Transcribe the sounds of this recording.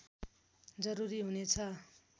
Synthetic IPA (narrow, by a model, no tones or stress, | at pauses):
d͡zʌɾuɾiɦunet͡sʰʌ